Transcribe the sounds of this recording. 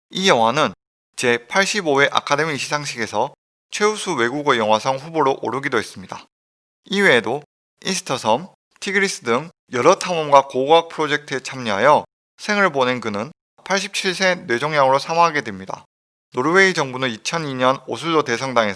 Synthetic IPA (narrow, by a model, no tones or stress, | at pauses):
ijʌŋwanɯn | t͡ɕe̞pʰaɭɕ͈ibowe̞ʔa̰kʰade̞miɕʰisʰaŋɕʰiɡe̞sʰʌ | t͡ɕʰwe̞usʰuwe̞ɡuɡɯjʌŋwasʰʌŋɸuboɾoʔoɾɯɡidoes͈ɯmɲida | iwe̞ːdo | insʰɯ̥tʰʌsʰʌm | tʰiɡɯɾis͈ɯdɯŋ | jʌɾʌtʰamʌmɡwakoɡak̚pʰɯɾod͡ʑe̞k̚tʰɯet͡ɕʰamɲiɦajʌ | sʰe̞ŋɯɭbone̞nkɯnɯn | pʰaɭɕ̬͈ʰip̚t͡ɕʰiɭs͈ʰe̞nwe̞d͡ʑoŋjaŋɯɾosʰamaɦaɡe̞dwe̞mɲida̰ | noɾwe̞id͡ʑʌŋbunɯnit͡ɕʰʌniɲʌno̰sʰudote̞s̬ʰʌŋdaŋe